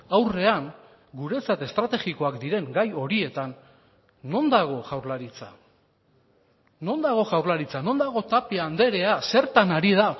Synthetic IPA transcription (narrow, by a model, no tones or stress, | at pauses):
awre̞aŋ | ɡuɾe̞t͡sat̪e̞st̪ɾat̪e̞ɣiko̞akd̪iɾe̞ŋɡajo̞ɾie̞t̪anː | o̞nd̪aɣ̞o̞ʝawɾlaɾit͡sa̰ | no̞nd̪aɣ̞o̞ʝawɾlaɾit͡sano̞nd̪aɣ̞o̞t̪apiaːnd̪e̞ɾe̞ase̞ɾt̪anaɾiða